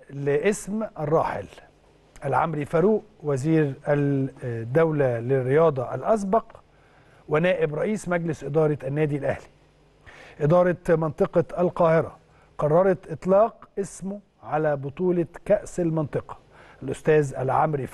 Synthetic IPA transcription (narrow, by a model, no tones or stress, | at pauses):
lɪʔɪsmʔærˤːɑːħɪ̰l | ʔælʕa̰mɾifæɾuːʔ | wæziːɾæ | d̪ːæwlælɪrːɪjɑːd̪ˤɑʔalʔɑs̬bɑq | wɪnæːʔɪbɾˤɑʔiːsmæɡlɪsʔɪd̪ɑːɾˤɑænːæːd̪ilʔæ̰hli̥ | ʔɪd̪ɑːɾˤɑmɑnt̪ˤɨqɑʔælqɑːhɪɾɑ | qɑrˤːɑɾˤɑt̪ʔɪt̪ˤlɑːqʔɪsmʊ | ʕalæːbʊt̪ˤuːlɑkæʔsalmɑnt̪ˤɨqɑ̥ | ʔælʔʊst̪æːzʔælʕa̰mɾi